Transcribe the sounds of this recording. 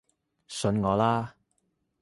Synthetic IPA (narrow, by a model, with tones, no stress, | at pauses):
sɵ˨˧˥nŋɔː˨˧laː˥